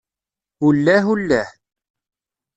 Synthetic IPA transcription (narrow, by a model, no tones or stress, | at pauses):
hulːæɦulːæ